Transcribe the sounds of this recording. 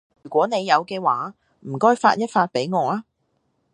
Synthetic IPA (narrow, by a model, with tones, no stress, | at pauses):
jyː˨˩kʷɔː˨˥ne˨˧jːɐ˨˧wkɛː˧waː˨˥ | m̩˨˩kɔː˥jfa̰ː˧t̚jɐ˥t̚faː˧t̚pe˨˥jŋɔː˨˧aː˧˥